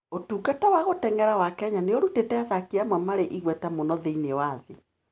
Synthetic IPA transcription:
otuːkatawaɣotɛŋɡɛɾawakɛɲaneoɾutetɛaðakiamamaɾeʔiɣwɛtamonɔðeinewaðe

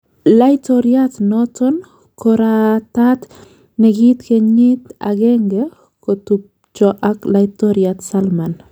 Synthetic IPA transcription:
lajt̪oɾjat̪noton | koɾat̪at̪ | neɡit̪keɲit̪a̰ɡeŋɡe | kot̪up̚ | t͡ʃoʔaklajt̪oɾjat̪salman

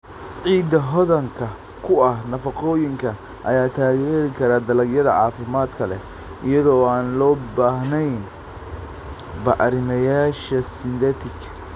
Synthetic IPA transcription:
ʕiːd̪ɐɦɔðɐŋkʰɐ | kʰʊɐhnɐfɐqɔːjɪŋkʰɐ | ʔɐ̰jaːt̪ʰaːɣɛːɾɪkʰɐɾaːd̪ɐlɐɡjɐðɐ̰ʕɑ̰ːfɪmaːd̪kʰɐlɛ̰ | ʔɪjɐðɔːaːnlɔːbaːhnɛjn | bɐʔɾɪmɐjaːʃɐsɪnd̪ɛt̪ʰɪk

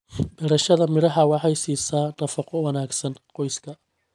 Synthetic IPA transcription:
bɛɾɐʃɐðɐmɪɾɐɦɐwɑħɑjsiːsaːnɐfɐqɔwɑnaːɡsɐnqɔjskʰɐ

